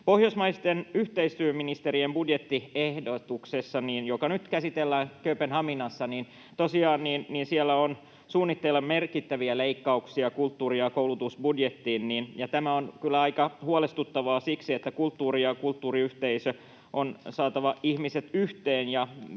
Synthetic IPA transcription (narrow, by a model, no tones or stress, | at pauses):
pohjosmɑist̪enyht̪eist̪yːminist̪eɾiembudjet̪ːiehdot̪uksesːɑniːnjokɑnyt̪kæsit̪elːæːŋkøpenhɑminɑsːɑniːn | t̪osiɑːnniːnniːnsielːæon | suːnːit̪ːelːɑmmerkit̪ːæʋiæleikːɑuksiɑkult̪ːuːriɑkoulut̪usbudjet̪ːiːnniːnjɑt̪æmæonkylːæɑikɑhuolest̪ut̪ːɑʋɑːsiksiet̪ːækult̪ːuːrijɑkult̪ːuːriyht̪eisø | ʔonsɑːt̪ɑʋɑihmiset̪yht̪eːnjɑ